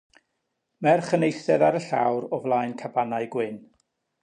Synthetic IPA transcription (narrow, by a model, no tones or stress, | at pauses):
mɛrχənejθɛðaɾəɬa̰wɾɔvlˠajnkʰabanaɨɡwɪn